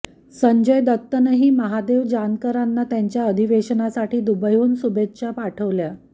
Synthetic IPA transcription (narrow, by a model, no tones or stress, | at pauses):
səɲd͡ʑəjd̪ət̪ːənəɦiːməɦad̪eʋd͡ʑankəɾanːat̪jaɲt͡ɕjaəd̪ʱiʋeɕənasaʈiːd̪ubəjuːnsubetɕapaʈʰəʋlja